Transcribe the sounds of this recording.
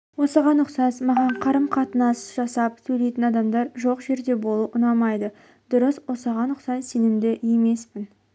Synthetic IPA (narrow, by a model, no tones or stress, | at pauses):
wo̞səʁɑnʊqsɑsmɑʁɑɴqʰɑɾəmqʰɑt̪ənɑsʒ̥ɑsɑp̚sɵjle̞jt̪ɪnɑd̪ɑmd̪ɑɾʒo̞qʒe̞ɾd̪e̞bo̞lˠuʔʊnɑmɑjd̪ə | d̪̥ʊɾəswo̞səʁɑnʊqsɑsse̞nɪmd̪ɪje̞me̞spɪn